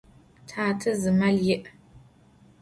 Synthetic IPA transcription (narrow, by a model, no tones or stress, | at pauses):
tʰaːtʰɨzɨmɐljɪʔ